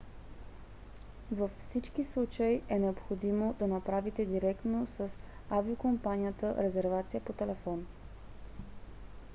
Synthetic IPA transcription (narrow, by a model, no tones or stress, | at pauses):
vəfːsit͡ʃkislˠut͡ʃəiʔɛnɛopxod̪imod̪ɐnɐpɾavit̪ɛd̪iɾɛkt̪nosəsaviokompanʲijət̪əɾɛzɛɾvat̪sijəpot̪ɛlɛfɔn